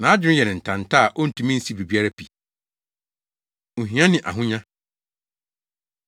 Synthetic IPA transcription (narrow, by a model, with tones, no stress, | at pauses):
nã˨˦a˦d͡ʑᶣɪ˦ɾɪ˦jɛ˨nɪ̃˨n̩˨tʰã˨n̩˨tʰa˦a˨ʔo˦n̩˨tʰũ˨˦mĩ˦n̩˦si˦bi˨bi˦a˦ɾa˦pʰi˨ | o˨ɦĩ˨˦ã˦nɪ̃˨ʔa̰˨ɦʊ̃˦ɲã˦